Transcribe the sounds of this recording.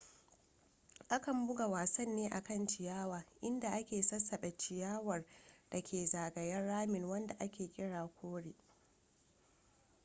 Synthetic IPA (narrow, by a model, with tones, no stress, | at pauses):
ʔa˦kɐ˨mbʊ˦ɡa˨waː˨sɐ˦nːeː˦ʔa˨kɐ˦nt͡ʃɪ˨jaː˦waː˨ʔɪ˦nda˨ʔa˦kʲeː˨sɐ˦sɐ˨ɓɛ˨t͡ʃɪ˨jaː˦wɐ˨rd̥ɐ˨kʲʰeː˨zaː˨ɡɐ˨jɐ˦rɽaː˦mɪ˨ŋwɐ˦nda˨ʔa˦kʲeː˨kʲʼɪ˦ɽaː˨kʷʰoː˦ɽeː˨ʔ